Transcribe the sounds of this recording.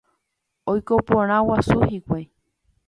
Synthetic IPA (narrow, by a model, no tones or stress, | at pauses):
ojkopõɾ̃ãwasuhikʷaj